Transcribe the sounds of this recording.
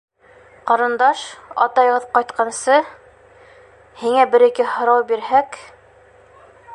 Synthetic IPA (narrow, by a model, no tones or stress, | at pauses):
qɑɾɤ̆nd̪ɑʃɑ̰t̪ɑjʁɤðqɑjt̪qɑnsɤ | hiŋæbɘ̆ɾikɘhŏɾɑwbiɾhæk